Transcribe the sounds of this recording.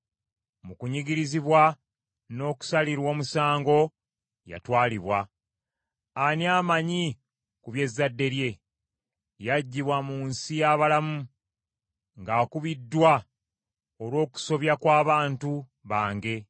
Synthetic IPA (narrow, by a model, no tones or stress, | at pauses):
mukuɲiɡiɾiziβwa | no̞ːku̥saliɾwo̞ːmusaːŋɡo̞ | ja̰twaːliβwa | aniaːmaɲi | kuβje̞zːadːe̞ɾje̞ | jaɟːiβwamuːnsijaːβalamu | ŋɡaːkuβidːwa | olwo̞ːku̥so̞βjakwaːβaːntu | βaːŋɡe̞